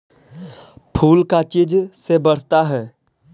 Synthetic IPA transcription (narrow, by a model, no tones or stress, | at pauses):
pʰuːlkat͡ʃɪd͡ʒsebɐɽ̤t̪aɦɛː